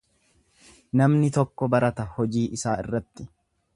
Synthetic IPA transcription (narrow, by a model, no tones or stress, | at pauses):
nɐmnɪt̪ɔkːɔbɐɾɐt̪ɐhɔd͡ʒiːʔɪsaːɪ̰rːɐt̪ːɪ